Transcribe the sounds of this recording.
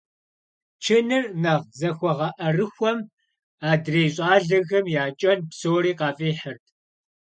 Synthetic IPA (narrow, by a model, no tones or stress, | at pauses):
t͡ʃʰɪnɨrnɐʁzɐxʷɔʁɐʔɐrɨxʷɔm | aːdreːjɕʼɑːɮɐɣɐmjaːt͡ʃʼɐnpsoːɾiːqɑːfʼeːħərtʰ